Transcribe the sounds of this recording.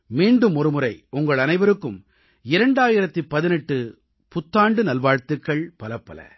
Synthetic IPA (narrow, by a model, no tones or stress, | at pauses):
miːɳɖɯmɔɾɯmɯɾɐɪʊŋɡɐɭɐnɐɪʋɐɾɯkːɯm | ɪɾɐɳɖaːjɪɾɐt̪ːipːɐðɪnɛʈːɯ | pʊt̪ːaːɳɖɯnɐlʋaːɻt̪ɯkːɐɭpɐlɐpːɐlɐ̰